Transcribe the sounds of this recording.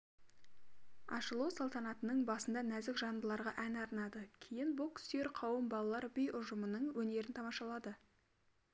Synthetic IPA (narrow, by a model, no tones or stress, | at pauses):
ɑ̰ʃəlˠusɑlˠt̪ɑnɑt̪ənəɴbɑsənd̪ɑnæzɪkʒɑnbəlˠɑɾʁɑʔænɑɾnɑd̪əkʲʰejɪnbʊlˠkʲʏ̥st̪e̞ɾqʰɑwəmbɑlˠɑlˠɑɾbɪjʊʒəmənəɴwɵne̞ɾɪnt̪ʰɑmɑʃɑlˠɑd̪ə